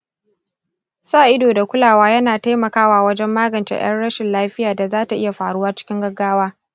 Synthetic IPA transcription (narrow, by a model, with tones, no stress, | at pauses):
saː˦˨ʔɪ˦doː˨da˨kʷʊ˦laː˨waː˦jɐ˦naː˨ta˦jmɐ˨kaː˦waː˨wɐ˦d͡ʒɛ˦mːaː˦ɡɐ˨nt͡ʃḛ˨j̰ɐ̰˦nɽɐ˦ʃɪ˨nlaː˦ɸɪ˦jaː˨da˨zaː˦ta˨ʔɪ˦ja˨ɸaː˨ɽʊ˦waː˦t͡ʃɪ̥˦kʲɪ˦ŋɡɐ˦ɡːaː˦waː˦